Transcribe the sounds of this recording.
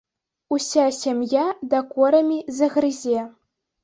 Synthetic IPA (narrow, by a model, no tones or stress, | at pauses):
usʲasʲemʲjad̪ɐkɔɾɐmʲizɐɣrɨzʲe